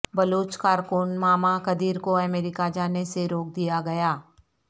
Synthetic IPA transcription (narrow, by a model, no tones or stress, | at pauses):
bɐloːt͡ʃkaːɾkʊnmaːmakɐd̪iːɾkoɛmɛːɾɪkad͡ʒaːneseɾoːk̚d̪ijaɡɐjaː